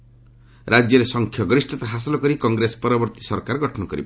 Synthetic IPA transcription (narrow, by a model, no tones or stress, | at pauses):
ɾʔad͡ʒjɔɾesɔŋkʰjɔɡɾisʈɔt̪aɦasɔlɔkɔɾikɔŋɡɾesɔ̥pɔɾɔbɔɾt̪i̥sɔɾkaɾɡʱɔʈʰɔnɔkɔɾḭb